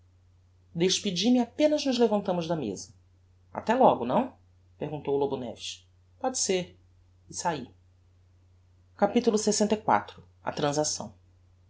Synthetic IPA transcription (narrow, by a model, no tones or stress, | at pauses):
d̪eʃpid͡ʒimɪapẽnɐznʊzlevɐ̃nt̪ɐ̃mʊʒd̪ɐmḛzɐ | a̰t̪ɛlɔɡʊnɐ̃w̃ | pehɡũnt̪owlobunɛ̰viʃ | pɔd͡ʒɪseɾ | ɪsai | kapit̪ulʊsesẽnt̪ɐjkwa̰t̪ɾʊ | ɐ̰t̪ɾɐ̃zasɐ̰̃w̃